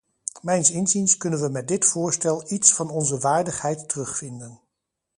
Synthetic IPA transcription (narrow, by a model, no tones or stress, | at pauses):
mɛjnsɪnzinskɵnənʋəmɛt̚dɪtfʊːɹstɛlˠitsfɑnɔnzəʋaːɹdəχhɛjtːərɵχfɪndən